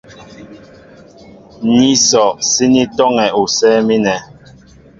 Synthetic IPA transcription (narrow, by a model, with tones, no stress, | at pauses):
ni˦sɔ˨ʔsi˦ni˦tɔ˦ŋɛ˨u˨sɛː˦mi˦nɛ˨